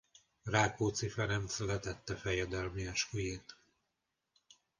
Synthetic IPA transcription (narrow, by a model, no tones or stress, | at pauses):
raːkoːt̪sifɛnɛmfɛlɛt̪ɛt̪ːɛfɛjɛd̪ɛlmiɛʃujeːt̪